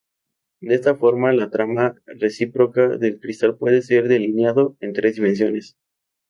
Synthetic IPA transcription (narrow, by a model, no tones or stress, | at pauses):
d̪eest̪afo̞ɾmalat̪ɾamaresipɾo̞kaðe̞lkɾist̪alpwe̞ðese̞ɾðe̞linjaðo̞e̞nt̪ɾezd̪imẽns̬jone̞s